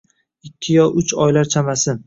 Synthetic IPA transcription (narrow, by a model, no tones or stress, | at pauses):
ɪkʲʰːɪjɒʔʊt͡ʃʰɒjlaɾt͡ʃʰamasɪ